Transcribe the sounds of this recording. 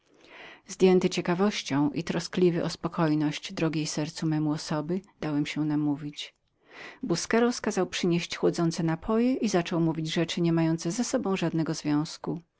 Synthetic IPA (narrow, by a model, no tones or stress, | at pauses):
zd̪ʲjɛnt̪ɘt͡ɕɛkavɔɕt͡ɕɔ̃w̃ʔḭt̪ɾɔsklʲivɘʔɔspɔkʰɔjnɔɕt͡ɕd̪ɾɔɡʲejsɛɾt̪sumɛmuɔsɔbɘd̪̥awɛmɕɛnamuvʲit͡ɕ | buskɛɾɔskazawpʂɘɲeɕt͡ɕxwɔd̪zɔnt̪sɛnapʰɔjɛʔizat͡ʂɔ̃wmuvʲid͡ʑʐɛt͡ʂɘɲɛmajɔnt̪sɛzasɔbɔ̃w̃ʐad̪nɛɡɔzvʲjɔ̃w̃sku